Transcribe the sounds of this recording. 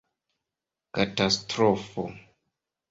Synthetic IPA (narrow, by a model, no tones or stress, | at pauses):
katastɾofo̰